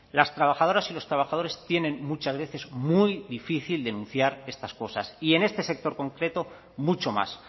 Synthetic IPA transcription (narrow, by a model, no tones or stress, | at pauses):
last̪ɾaβ̞axað̞o̞ɾasilo̞st̪ɾaβaxað̞o̞ɾe̞st̪je̞nẽ̞nmut͡ʃazβe̞θe̞zmujðifiθild̪e̞nũn̟θjaɾe̞st̪asko̞sasie̞ne̞st̪e̞se̞k̚t̪o̞ɾko̞ŋkɾe̞t̪o̞ | mut͡ʃo̞ma̰s